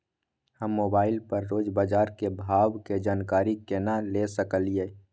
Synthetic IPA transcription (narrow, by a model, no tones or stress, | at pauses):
həmːoːbaːɪlpəɾːoːd͡ʒbaːd͡ʒaːɾkebʱaːwked͡ʒaːnkaːɾikenalesəkəlijeː